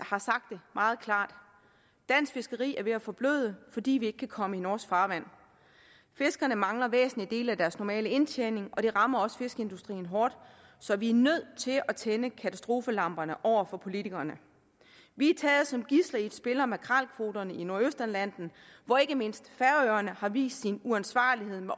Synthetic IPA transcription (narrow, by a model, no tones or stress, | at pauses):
hɑ̈sɑ̈ɡ̥̚d̥e̝mʔɑ̈ːð̞̩ˠkʰlɑ̰̈ːd̥ː | æn̰sfe̝sɡ̥əʁḭːæɐʋe̝æfɒ̽b̥lø̰ːð̞ˠəfɒ̽d̥ḭːʋie̝ɡ̥ə̥kʰækʰɒ̽məinɒːsɡ̥fɑ̈ːʋæn̰ | fe̝sɡ̥ɐnəmɑ̈ŋlɐʋḛːsn̩lid̥e̝̰ːlæd̥æɐsnɒmɛ̰ːləe̝nt͡ɕʰeːne̝ŋʔɒ̽d̥e̝ʁɑ̈mɐɒ̽sfe̝sɡ̥əe̝nd̥usd̥ʁḭːn̩ɦɒːd̥ | sɒ̽ʋiæɐnøð̰ˠt͡sʰe̝lʔæt͡sʰenəkʰæt͡sʰæsd̥ʁo̝ːfəlɑ̈m̰b̥ɐnəʔɒʊ̰ɐfɒ̽pʰo̝lit͡sʰiɡ̥ɐnə | ʋiæt͡sʰɛːð̩ˠsɒ̽mɡ̥islɐi̥sb̥e̝lɐmekʰʁɑlkʰʋo̝̰ːdɐnəino̝ɐøsd̥ænlæn̰d̥n̩ʋɒe̝ɡ̥əme̝n̰sd̥fæɐøɐnəhɑ̈ʋḭːsd̥sinuænsʋɑ̰̈ːlihe̝ð̰ˠme